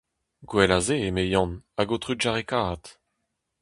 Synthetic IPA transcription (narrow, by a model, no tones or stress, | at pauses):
ɡwɛlazeemejɑ̃naɡot̪ʁyʒaʁekaːt̪